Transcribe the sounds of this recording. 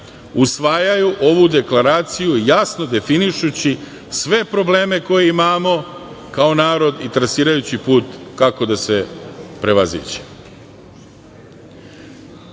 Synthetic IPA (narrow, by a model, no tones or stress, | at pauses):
usʋaːjajuʔo̞ʋud̪e̞klaɾaːt̪sijujasno̞d̪e̞finiʃut͡ɕi | sʋe̞pɾo̞ble̞ːme̞ko̞jeimaːmo̞ | kao̞naːɾo̞d̪it̪ɾasiːɾajut͡ɕipuːt̪kako̞d̪ase̞pɾe̞ʋazḭt͡ɕe̥